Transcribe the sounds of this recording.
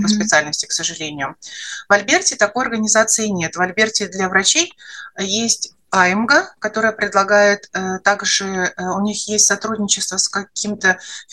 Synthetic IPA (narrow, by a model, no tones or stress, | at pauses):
pəspʲɪt̪sɨalʲnəsʲtʲɪ̥ksəʐɨlʲenʲɪjʊvɐlʲbʲertʲɪt̪ɐko̞jɐrɡənʲɪzat̪sɨɪnʲe̞t̪vɐlʲbʲertʲɪd̪lʲɐvɾɐt͡ɕejjesʲtʲ | ajɪmɡəkɐt̪o̞ɾəjəpɾʲɪd̪lˠɐɡajɪt̪t̪ːaɡʐɨʊnʲixjesʲtʲsɐt̪ɾudʲnʲɪt͡ɕɪst̪vəskɐkʲimt̪ə